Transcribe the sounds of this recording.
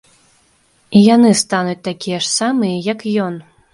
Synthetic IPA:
ijanɨst̪anut͡sʲt̪akʲijɐʂsamɨjɐjɐkjɔn

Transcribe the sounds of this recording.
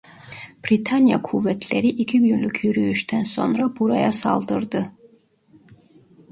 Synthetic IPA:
b̥ɾit̪ʰanija̰kʰuvɛt̪ʰlɛɾiʔikʰiɡjynlukʰjyɾyːʃt̪ʰɛnsɔ̰nɾabuɾajasa̰ld̪ɨɾd̪ɨ

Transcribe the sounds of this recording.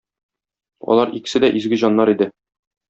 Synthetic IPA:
ɒ̰lˠɑɾikɘ̥̆sɘd̪æʔizɡɘʑɒnːɑɾid̪ɘ

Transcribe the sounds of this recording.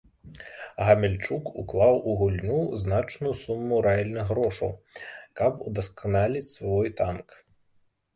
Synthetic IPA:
ɣɐmʲɛlʲt͡ʂukṵklˠawʔuɣulʲnuznat͡ʂnujusumːuɾɛalʲnɨɣɣɾɔʂɐ̰wkɐpud̪ɐskanalʲit͡sʲsvɔjt̪ank

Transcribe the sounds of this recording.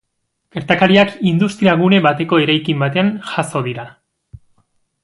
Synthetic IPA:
ke̞ɾt̪akaɾiakind̪ust̪ɾiaɣune̞βat̪e̞ko̞e̞ɾajkimbat̪e̞anʝaso̞ðiɾa

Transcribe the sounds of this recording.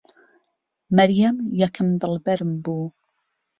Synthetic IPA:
mɐɾjɐmjɛkʰɨmd̪ɨlˠbɛɾmbuː

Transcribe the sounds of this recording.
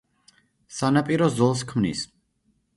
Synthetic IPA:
sanapʼiɾɔzɔlˠs̬kʰmnḭs

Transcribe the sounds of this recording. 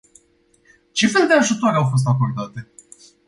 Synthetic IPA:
t͡ʃe̞feld̪d̪e̞aʒut̪o̞ɾeawfo̞s̬t̪ako̞rd̪at̪e̞

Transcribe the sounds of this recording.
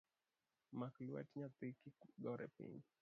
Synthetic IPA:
makluwɛ̰tiɲat̪ikiɡɔɾɛ̰pḭni

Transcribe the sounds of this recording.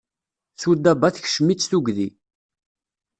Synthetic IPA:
θud̪ːæbaθçʃəmit͡sːθuɡði

